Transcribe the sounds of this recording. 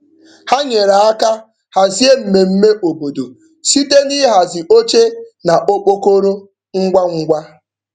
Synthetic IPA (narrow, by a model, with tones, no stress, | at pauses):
ha˦ɲe˨ɾa˨a˦ka˦ | ha˨zi˦e˦m̩˨me˨m̩˦me˦ʔo˨bo˨do˨ | si˦te˦ni˦ɦa˨zɪ˨ʔo˦t͡ʃe˦na˨ʔo˦k͡po˦ko˦ɾo˦ | ŋ̩˦ɡʷa˦ŋ̩˦ɡʷa˦